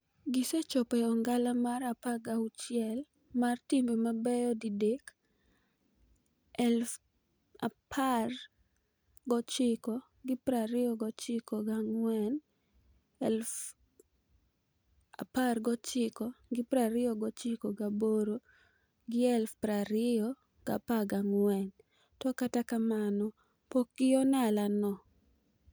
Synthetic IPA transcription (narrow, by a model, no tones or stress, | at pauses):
ɡɪsɛt͡ʃɔpɛɔŋɡalamaɾapaɡaut͡ʃjɛl | martimbemabɛjɔdidek | ɛlf | apʰar | ɡɔt͡ʃɪkɔ | ɡɪpɾaɾɪɔɡɔt͡ʃɪkɔɡaŋwɛn | ɛlf | a̰parɡɔt͡ʃɪkɔɡɪpɾaɾɪɔɡɔt͡ʃɪkɔɡaboɾo | ɡɪɛlfpɾaɾɪɔ | ɡ̥a̰paɡaŋwɛn | tɔkatakamanɔ | pokɪɔnalanɔ